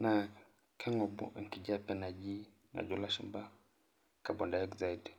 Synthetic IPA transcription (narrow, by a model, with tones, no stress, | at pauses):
na˨ | kʰɛ˦ŋɔ˨bṵ˦ʔŋ̩˨ki˨d͡ʒa˦pɛ˦na˨d͡ʒi˦ | na̰˨d͡ʒu˦la˦ʃu˦mba˦ | ka˨bɔ˨nda˨ɛkza˨idɛ